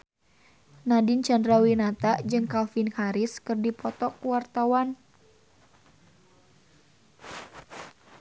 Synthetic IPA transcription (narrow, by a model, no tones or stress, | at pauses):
nadint͡ʃandɾawinat̪aʔd͡ʒɨŋkalfinhaɾɪskɨrdipɔt̪ɔkwart̪awan